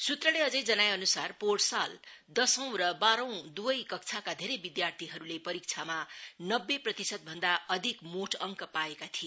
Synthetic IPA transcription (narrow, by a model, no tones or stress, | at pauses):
sut̪rʌleʌd͡zʌjd͡zʌnajʌnusarporʈsal | d̪ʌsʌ̃w̃rʌbaɾʌ̃w̃d̪ubʌjkʌk̚t͡sʰakad̪ʱeɾʌjbid̪jart̪ʰiɦʌɾulepʌɾik̚t͡sʰamanʌbːeprʌt̪isʌt̪̚bʱʌnd̪aʌd̪ʱikmoʈʰʌŋkʌpaekat̪ʰie